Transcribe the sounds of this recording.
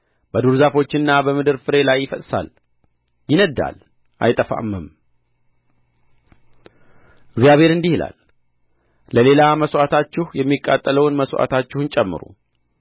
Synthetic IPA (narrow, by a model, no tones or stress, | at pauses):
bəd̪uɾzafo̞t͡ʃːɪnːabəmɨd̪ɨɾfɨɾe̞lajːɪfət̪ʼsa̰l | jɪnəd̪ːa̰l | ʔa̰jt̪ʼəfa̰mːəm | ɪɡzjaβhe̞ɾɨnd̪ihɪla̰l | ləle̞laməswʔat̪ʰat͡ʃːɪhjɛmːikʼːa̰t̪ʼːələwnməswʔa̰t̪ʰat͡ʃːɪhunt͡ʃʼɛmːɨ̰ɾṵ